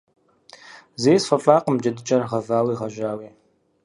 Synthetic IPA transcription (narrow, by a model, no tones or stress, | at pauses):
zeːsfɐfʼaːqəmd͡ʒʼɐdɨt͡ʃʼɐrʁɐvaːwiːʁɐʒaːwiː